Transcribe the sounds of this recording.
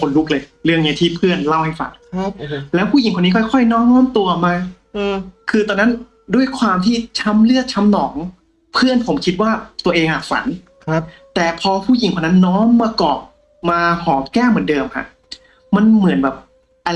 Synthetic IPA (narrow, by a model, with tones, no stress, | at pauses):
kʰo˨˧˦nlu˦˥k̚lɤː˧jlɯ˥˩əŋːni˦˥t̪ʰiː˥˩pʰɯ˥˩ənla˥˩wha˥˩jfa̰˩˦n | lɛː˦˥wpʰuː˥˩i˩˦ŋkʰo˧nːiː˦˥kʰɔ˥˩jkʰɔ˥˩jnɔː˦˥mnɔː˦˥mt̪u˧ɐmaː˧ | kʰɯː˧t̪ɔː˧nːa˦˥n | du˥˩əjkʰwaː˧mt̪ʰiː˥˩t͡ɕʰa˦˥mlɯ˥˩ət̪̚t͡ɕʰa˦˥mnɔː˩˦ŋ | pʰɯ˥˩ənpʰo˩˦mkʰi˦˥t̪̚waː˥˩t̪u˧ɐʔeː˧ŋhaː˨˩k̚fa̰˩˦n | t̪ɛː˨˩pʰɔː˧pʰuː˥˩ji˨˩˦ŋʰkʰna˦˥nːɔː˦˥mːaː˧kɔː˨˩p̚ | maː˧hɔː˩˦kɛː˥˩mɯ˩˦ndɤː˧mha̰˧˩ʔ | ma˧nmɯ˨˩˦ənbɛː˨˩p̚ | ʔa˧